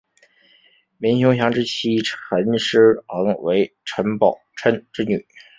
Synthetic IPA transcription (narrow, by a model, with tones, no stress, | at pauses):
mi˧˥nɕjo˧˥ŋɕjɑ˧˥ŋʈ͡ʂɻ̩˥˧t͡ɕʰi˥ʈ͡ʂʰə˧˥nʂɻ̩˥ɑ˧˥ŋwe˧˥ɪ | ʈ͡ʂʰə˧˥npɑ˨˩ʊʈ͡ʂʰə˥nʈ͡ʂɻ̩˥˧ny˨˩˦